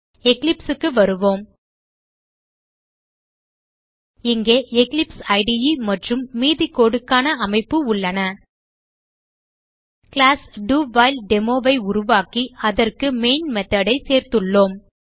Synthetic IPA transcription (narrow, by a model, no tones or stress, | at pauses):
ɛklɪpsɯkːɯʋɐɾɯʋoːm | ɪŋɡeːʔɛklɪpsɐɪɖɪjimɐʈrɯmːiːðikːoːɽɯkːaːnɐɐmɐɪpːɯʊɭːɐnɐ | kɪlaːsɖuːʋaːɪlɖɛmoːʋɐɪʊɾʊʋaːkiɐðɐrkɯmeːnmɛt̪ːɐɽɐɪseːɾt̪ɯɭːoːm